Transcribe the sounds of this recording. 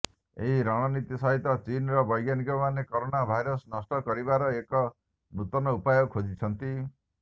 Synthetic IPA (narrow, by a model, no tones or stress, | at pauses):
ḛɦiɾaɽ̃ɔnit̪isɔɦit̪ɔt͡ʃinɾɔbɔjɡjanikɔmanekoɾonabʱajɾɔsnɔsʈɔkɔɾibaɾɔekɔ | nut̪ɔnɔupajɔɡkʰod͡ʒit͡ʃʰɔnt̪i